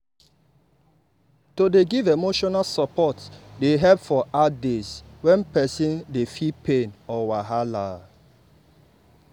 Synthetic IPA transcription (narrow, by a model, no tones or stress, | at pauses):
todeɡivemoʃɔnalsɔpʰɔtdeɦɛpfɔʔadeswɛ̃npɛsĩndefipʰẽnɔwaɦala